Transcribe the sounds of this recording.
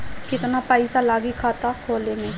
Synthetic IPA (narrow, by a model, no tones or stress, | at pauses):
kɪt̪naːpaːisaːlaːɡiːkʰaːt̪aːkʰoːleːnẽː